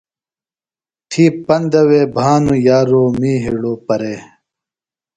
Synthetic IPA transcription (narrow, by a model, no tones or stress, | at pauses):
t̪ʰiːpɐnd̪ɐweːbʱaːnujaːɾoːmiːɦiɽoːpɐɾeː